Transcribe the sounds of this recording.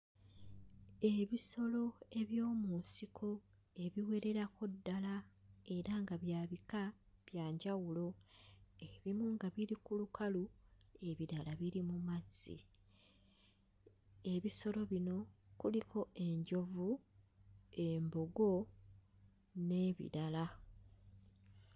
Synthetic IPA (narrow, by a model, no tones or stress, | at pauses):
e̞βiso̞lo̞e̞βjo̞ːmunsikʰo | e̞βiwe̞ɾe̞ɾako̞dːalae̞ɾaŋɡaβjaːβika | βjaːɲɟawulo̞ | eβimuŋɡaβiɾikulukʰalu | e̞βiɾalaβiɾimumazḭ | e̞βiso̞lo̞βino̞kulikʰo̞e̞ɲɟo̞vu | embo̞ɡo̞ | ne̞βḭɾala